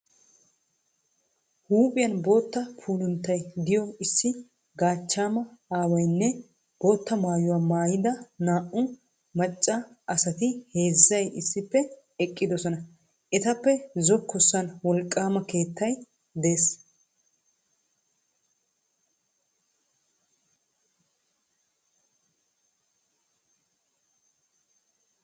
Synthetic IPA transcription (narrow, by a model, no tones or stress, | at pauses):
huːpʼɪjɐnbo̞ːt̪ːɐpʰuːlʊnt̪ːɐjd̪ɪjɔɪsːɪ | ɡaːt͡ʃːaːmɐaːwɐjnːɛ | b̥o̞ːt̪ːɐmaːjʊwaːmaːjɪd̪ɐnaːʔʊ | mɐt͡ʃʼːɐ | ʔɐsɐt̪ɪhe̞ːzːɐjɪsːɪpːɛ | ɛkʼːɪd̪ɔsɔnɐ | ʔɛt̪ɐpːɛzɔkːɔsːɐnwɔlkʼːaːmɐke̞ːt̪ʰːɐj | d̪e̞ːs